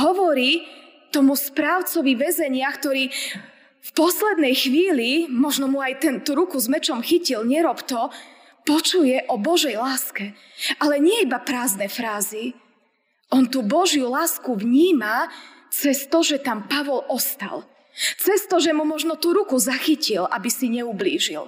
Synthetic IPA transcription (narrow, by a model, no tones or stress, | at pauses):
ɦɔʋɔɾiː | t̪ɔmuspɾaːʊt͡sɔʋiʋɛzɛɲɪakt̪ɔɾiː | fpɔslɛd̪nɛjxʋiːlimɔʒnɔmuajt̪ɛnt̪uɾukuzmɛt͡ʃɔmxicilɲɛɾɔpt̪ɔ | pɔt͡ʃujɛʔɔbɔʒɛjlaːskɛ | ʔalɛɲɪɛibapɾaːznɛfɾaːzi | ʔɔnt̪ubɔʒjulaːskuvɲiːma | t͡sɛst̪ɔʒɛt̪ampaʋɔlɔst̪a̰l | t͡sɛst̪ɔʒɛmumɔʒnɔt̪uɾukuzaxicilʔa̰bisiɲɛubliːʒḭl